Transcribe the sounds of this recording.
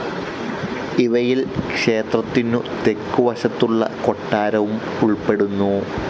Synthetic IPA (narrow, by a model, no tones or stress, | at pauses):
iʋɐjilkʂe̞ːt̪rɐt̪ːinut̪e̞kːuʋɐɕɐt̪ːuɭːɐ̰ko̞ʈːaːɾɐʋum | uɭpe̞ɽunːu